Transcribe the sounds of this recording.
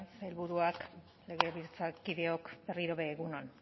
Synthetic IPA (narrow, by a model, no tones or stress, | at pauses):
selβuɾuak | le̞ɣe̞βiɾt͡sakiðe̞o̞kbe̞riɾo̞βe̞ːɣunon